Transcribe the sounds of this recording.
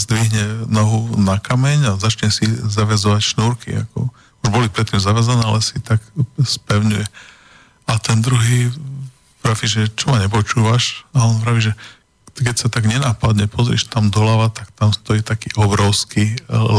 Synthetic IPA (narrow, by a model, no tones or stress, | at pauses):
zd̪ʋiɦɲɛnɔɦunakamɛɲazat͡ʃɲɛsizaʋɛzɔʋacʃnuːɾkḭa̰kɔ̰ | uʒbɔlipɾɛt̪ːimzaʋɛzanɛːalɛsit̪akspɛʊɲujɛ | at̪ɛnd̪ɾuɦiː | pɾafiʒɛt͡ʃɔmaɲɛp̬ɔt͡ʃuːʋaʃaɔnvɾaʋiʒɛ | kɛcsat̪aɡɲɛnapad̪ɲɛpʰɔzɾḭʃt̪amd̪ɔlaʋat̪akt̪amst̪ɔjit̪akiːʔɔbɾɔʊskil